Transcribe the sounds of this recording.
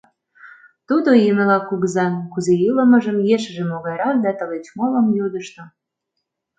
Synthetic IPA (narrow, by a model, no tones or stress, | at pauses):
t̪ud̪ojeməlɑkuɣəzɑnkuzejɯlə̆məʒəmjeʃəʒemoɣɑjɾɑk̚d̪ɑt̪ə̆let͡ɕmolə̆mjud̪əʃt̪ŏ